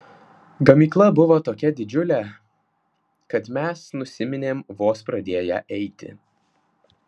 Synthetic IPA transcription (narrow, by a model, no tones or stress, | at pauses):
ɡɐmʲiːklˠɐbʊʋoːt̪oːkʲɛd̪ʲɪd͡ʒʲʊlʲɛ | kɐt̪mʲɛsnʊsʲɪmʲɪnʲeːmʋoːspɾɐd̪ʲeːjæ̰ːʔɛɪt̪ʲɪ̰